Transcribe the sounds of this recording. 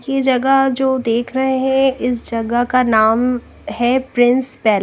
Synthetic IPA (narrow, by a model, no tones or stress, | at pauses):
jid͡ʒɐɡəd͡ʒoːd̪eːkʰɾɐɦeɦɛ̃ɪs̬d͡ʒɐɡəkanaːm | hɛpɾɪ̃nspɛɦl